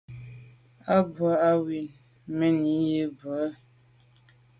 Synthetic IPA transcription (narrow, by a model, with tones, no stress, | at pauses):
a˦ba˦a˦wi˨n | me˦ni˨˦je˦bə˨a˦